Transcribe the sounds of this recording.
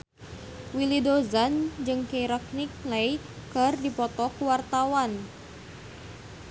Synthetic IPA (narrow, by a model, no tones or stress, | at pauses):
wilidozand͡ʒɨŋkejɾak̚nik̚lej | kərdipɔt̪ɔkuwart̪awan